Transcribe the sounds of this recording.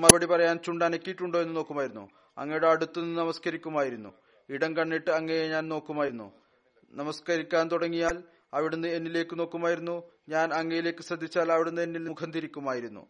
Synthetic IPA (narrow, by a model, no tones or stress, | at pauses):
mɐbɐɽipɐrɐjaːnt͡ɕuɳɖaːnɐkʲːijiʈːuɳɖoe̞nːɨno̞ːkːumaːjiɾunːṵ | ɐ̰ŋːɐjuɽe̞ɐɽut̪ːunnːɨnɐmɐskɐɾikʲːumaːjiɾunːṵ | iɽɐnkɐɳːiʈːɨɐŋːejeɲaːnno̞ːkːumaːjiɾunːṵ | nɐmɐskɐɾikʲːaːnt̪uɽɐŋːijaːl | ɐʋiɽenːɨe̞nːile̞ːkːɨno̞ːkːumaːjiɾunːu | ɲaːnɐŋːɐjile̞ːkːɨsrɐd̪ʱːit͡ɕːaːlɐʋiɽenːɨe̞nːilnmukʰɐnd̪iɾikʲːumaːjiɾunːṵ